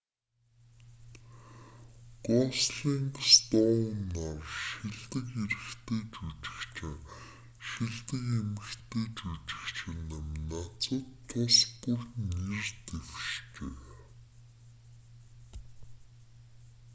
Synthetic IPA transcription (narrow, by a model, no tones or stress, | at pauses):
qɔːsɮiːŋst̪ɔnarʃiɮt̪ɘ̆kiɾɘ̆xt̪ʰeːt͡ɕut͡ɕɪ̥̆xt͡ɕʰɪ̆ŋ | ʃiɮt̪ɘ̆kemɘ̆xt̪ʰeːt͡ɕut͡ɕɪ̥̆kt͡ɕʰɪ̆nə̆mnat͡sə̆t̪ʰːʊspurnirt̪ewʃt͡ɕeː